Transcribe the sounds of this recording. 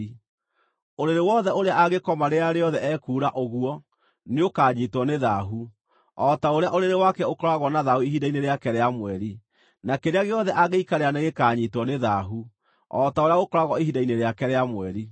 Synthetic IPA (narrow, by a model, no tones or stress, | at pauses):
oɾeɾewɔðɛoɾeaʔaɣekɔmaɾeaɾeɔðɛɛkuːɾaʔoɣwɔ | neokaɲitwɔneðaɦu | ɔtaoɾeaʔoɾeɾewakɛokɔɾaɣwɔnaðahuiɦidaineɾeakɛɾeamwɛɾi | nakeɾeaɣeɔðɛʔaɣeikaɾeaneɣekaːɲitwɔneðaɦu | ɔtaoɾeaɣokɔɾaɣɔiɦidaineɾeakɛɾeamwɛɾi